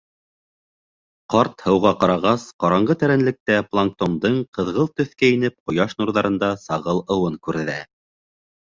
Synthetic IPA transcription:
qɑɾt̪hɤ̆wʁɑqɑɾɑʁɑsqɑɾɑɴɢɤt̪æɾænlɘ̆k̚t̪æplˠaŋk̚t̪ond̪ɤɴqɤ̆ðʁɤlˠt̪ɵ̆θkæinɘp̚qŏjɑʃnuɾðɑɾɤ̆nd̪ɑsɑʁɤlˠɤ̆wɤŋkʉɾðæ

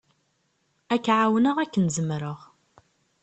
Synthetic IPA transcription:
ækːʕawnəʁækːənzəmɾəʁ

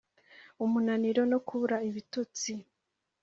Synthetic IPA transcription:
umunaniɾo̞no̞kuβuɾaiβitut͡si

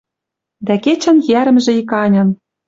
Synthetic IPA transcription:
d̪æket͡ɕæ̆njæɾə̆mʒĕikɑnʲɤ̆n

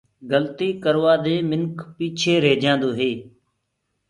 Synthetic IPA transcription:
ɡəlt̪iːkəɾʋaːd̪eːmɪnkʰpiːt͡ʃʰeːɾeːd͡ʒãːnd̪oːɦeː

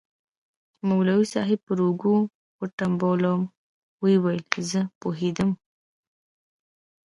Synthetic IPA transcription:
mawlawisɑ̰ɦɪpəɾoɡu | wəʈambolom | wewajlzəpoɦed̪əm

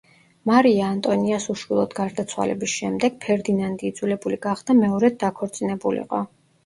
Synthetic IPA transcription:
maɾiaːnt̪ʼɔniasuʃwilˠɔd̪ɡaɾd̪at̪sʰwa̰lɛ̰bisʃɛmd̪ɛɡ̥̚pʰɛɾd̪inand̪iːd̪zwilɛbuliɡaχd̪amɛɔɾɛd̪̚ːakʰɔɾt̪sʼinɛbulḭqʼɔ̰

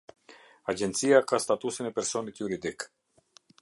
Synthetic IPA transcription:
ad͡ʒɛnt̪siakast̪at̪usənɛpɛɾsɔnit̪juɾid̪ik

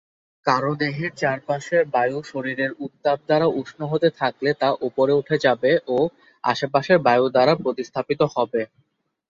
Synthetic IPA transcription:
kaɾod̪eɦeɾt͡ɕaɾpaʃeɾbajuʃoɾiɾeɾut̪ːab̚d̪aɾauʃnoɦot̪et̪ʰaklet̪aʔupoɾeuʈʰed͡ʑabeʔo | a̰ʃep̬aʃeɾbajud̪aɾapɾot̪ist̪ʰapit̪ohɔbe

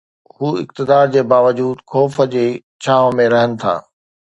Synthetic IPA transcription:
huːɪ̰kt̪ɪd̪aːɾd͡ʑeːbaːʋəd͡ʑuːd̪xɔːfəd͡ʑeː | t͡ɕʰaːʋmẽɾɐɦənɪ̆t̪ʰa̰ː

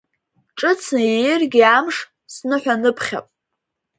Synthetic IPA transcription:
ʈ͡ʂʼɨt͡sʰnjejɪrɡʲiamʂ | snɨħʷᶣanɨpʰχʲa̰pʼ

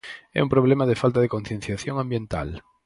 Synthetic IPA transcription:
ɛ̰umpɾoβ̞lɛmaðɪfalt̪aðekon̟θjen̟θjaθjoŋãmbjẽnt̪a̰l

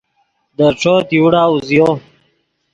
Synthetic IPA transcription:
d̪əɾʈ͡ʂoːt̪ijuɽaːuzijoː

